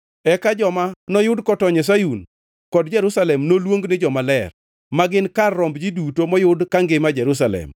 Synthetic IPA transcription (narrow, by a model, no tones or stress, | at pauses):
ɛkad͡ʒɔmanɔjʊdkɔtɔɲɛs̬ajun | kɔdd͡ʒɛɾusalɛmnolwoŋɡnɪd͡ʒɔmalɛr | maɡɪnkarːɔmbd͡ʒidutomɔjʊdkaŋɡɪmad͡ʒɛɾus̬alɛ̰m